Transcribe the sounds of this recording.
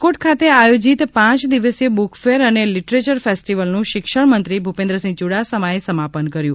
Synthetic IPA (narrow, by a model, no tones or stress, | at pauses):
koʈkʰat̪eajod͡ʒit̪pãt͡ʃd̪iʋəsebukʰfeɾəneliʈɾet͡ʃəɾfesʈiʋəlnũʃɪkʃəɽmənt̪ɾibʱupẽnd̪ɾəsĩŋt͡ʃuɽasəmaesəmapənkəɾjũ